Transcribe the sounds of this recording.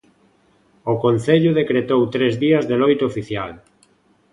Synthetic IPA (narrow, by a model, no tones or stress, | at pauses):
okon̟θeʎʊðekɾet̪owt̪ɾezðiɐzðelojt̪oofiθjal